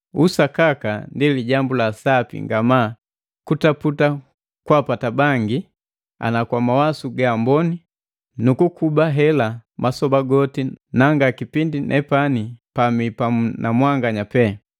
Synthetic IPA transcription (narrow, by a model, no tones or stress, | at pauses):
usakakandiliɟambulasapḭŋɡamaː | kutaputa | kwapatabaŋɡi | a̰nakwamawasuɡambɔni | nukukubaɦɛlamʔasɔbaɡɔtinaŋɡakipindinʔɛ̰panipamipanamwaŋɡaɲapɛ